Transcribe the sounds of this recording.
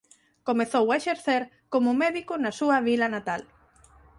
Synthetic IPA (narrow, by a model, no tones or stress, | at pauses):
komeθowaeʃeɾθeɾ | komʊmeðikʊnɐsuɐβilɐnat̪al